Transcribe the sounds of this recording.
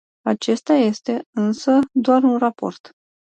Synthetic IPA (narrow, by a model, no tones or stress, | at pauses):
at͡ʃe̞st̪aje̞st̪e̞ɨnsəd̪oarunrapo̞̰rt̪